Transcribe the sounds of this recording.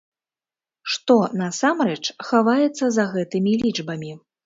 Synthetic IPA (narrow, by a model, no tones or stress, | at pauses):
ʂt̪ɔnɐsamɾɛt͡ʂxavajɛt̪sːɐzɐɣɛt̪ɨmʲilʲid͡ʐbɐmʲi